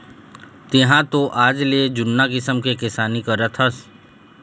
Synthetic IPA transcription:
t̪ɪɦãt̪oʔaːd͡ʒled͡ʒʊnːakɪsəmkekɪsaːnikɐɾət̪ʰɦəs

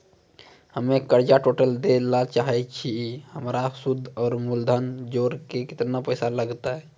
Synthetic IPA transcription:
həmekəɾd͡ʒaʈoʈəld̪elat͡ʃaɦɛt͡ʃʰihəmɾasud̪ʱːɔːɾmuld̪ʱənd͡ʒoɾkekɪt̪napəjsaləɡt̪aɦɛ

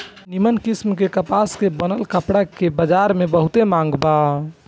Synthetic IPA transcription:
nimənkismkekəpaskebənəlkəpɽakebəd͡ʒaɾmebəɦut̪emãŋɡba

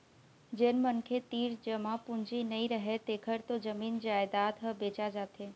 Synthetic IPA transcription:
d͡ʒeːnmənkʰet̪iːɾd͡ʑəmãpʊ̃ɲd͡ʑinɐĩɾəɦet̪eːkʰəɾt̪od͡ʑəmiːnd͡ʒaːɪd̪aːt̪ɦəbeːt͡ʃad͡ʒaːt̪ʰeː

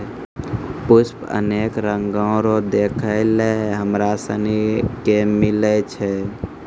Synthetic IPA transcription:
put͡ʃpə̰nekɾəŋɡə̃ʊɾod̪ekʰəɪleɦəmɾasə̰nikemilɛt͡ʃʰɛ

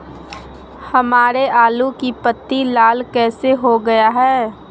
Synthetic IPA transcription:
hɐmaːɾeaːlukipət̪ːilaːlkɛːseɦoɡɐjaɦɛː

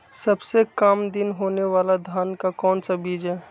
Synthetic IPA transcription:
sɐbsekamd̪ɪnɦoːneʋaːlad̪ʱaːnkakɔːnsabiːd͡ʒɦɛː

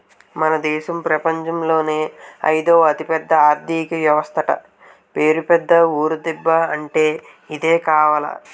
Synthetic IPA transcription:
mɐnɐd̪ɛːʃɐmpɾɐpɐɲt͡ʃɐmlo̞ːneːɐ̰jd̪o̞ːɐt̪ipɛd̪ːɐaːɾd̪ikɐʋjɐʋɐst̪ʰɐʈɐ̰ | peːɾupɛd̪ːɐuːɾud̪ibːɐɐɳʈe̞ː | id̪e̞ːkaːʋaːlɐ̰

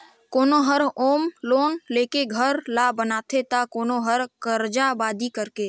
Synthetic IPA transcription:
koːnoɦəɾoːmloːnleːkeɡʱəɾlabənaːt̪ʰet̪akoːnoɦəɾkəɾd͡ʒabaːd̪ikəɾke

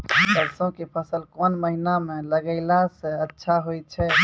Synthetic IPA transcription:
bəɾsõkepʰəsəlkɔnməɦinameləɡəɪlasə̃ətːʃʰaɦojt͡ʃʰɛ

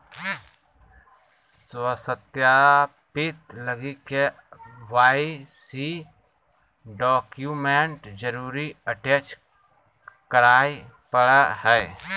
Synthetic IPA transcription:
swəsət̪ja | pɪt̪ləɡike | waːisi | ɖɔːkjumeɳʈd͡ʒəɾuːɾiəʈjet͡ʃ | kəɾaːi | pəɽahɛː

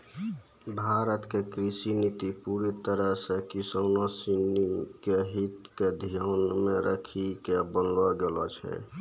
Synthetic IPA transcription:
bʱaɾət̪kekɾisinit̪ipuɾit̪əɾəɦsə̃kisonosinikeɦit̪ked̪ʱijanmeɾəkʰikebənlɔɡelɔt͡ʃʰɛ̰

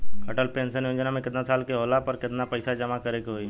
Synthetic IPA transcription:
kəʈəlpẽːnsənjõd͡ʒnamẽkɪt̪nasaːlkeɦoːlapɔɾkɪt̪napəɪsad͡ʒɐmakəɾekɦoi

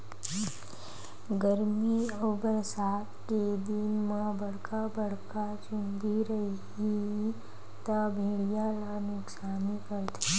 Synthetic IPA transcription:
ɡəɾmiɔbəɾsaːt̪ked̪inmãbɐɽ̤kabɐɽ̤kat͡ʃʊnd̪iɾɐiɦi | t̪abʱeːɽijalanʊksaːmikəɾt̪ʰi

